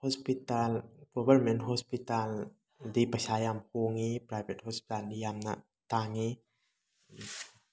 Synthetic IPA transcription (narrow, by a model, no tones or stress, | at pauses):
hɔspitalɡ̥ɔbʱɐɾmenthɔspital | dipɐsajamhoŋipɾajbʱet̚hɔspi̥talnijamnɐ̰ | taŋi